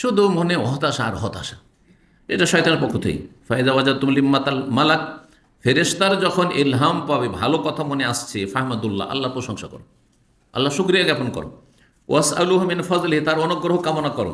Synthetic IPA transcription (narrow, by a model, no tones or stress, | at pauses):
ʃud̪umonewɔɦt̪aʃaːɾɦɔt̪a̰ʃa | eʈaʃɔjt̪aneɾpokʰːot̪ʰḛḭfaiðawad͡ʑad̪̚t̪umlimːat̪almalak̚ | feɾeʃt̪aɾd͡ʑɔkʰonʔilɦampabebʱa̰lokɔt̪ʰamoneast͡ɕʰefaɦmad̪ulːa̰ʔɐ̰lːaɾpɾoʃɔŋʃakɔ̰ɾo | a̰lːaʃukɾijaɡɛponkɔ̰ɾo̰ | wʔasaluːɦumɪnfɐzlɪɦit̪aɾɔnoɡɾoɦokamonakɔɾo̰